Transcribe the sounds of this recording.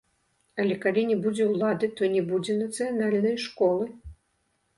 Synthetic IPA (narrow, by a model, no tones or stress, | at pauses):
ɐlʲɛkalʲinʲɛbud͡zʲɛwlˠad̪ɨt̪ɔnʲɛbud͡zʲɛnɐt̪sɨjanalʲnɐjʂkɔlˠɨ